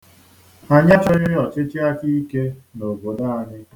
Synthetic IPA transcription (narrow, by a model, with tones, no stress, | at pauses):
a˨ɲa˦t͡ʃɔ˦ɲɪ˦ɔ˨t͡ʃɪ˦t͡ʃi˦a˦ki˦ke˦no˨bo˨da˦a˦ɲɪ˦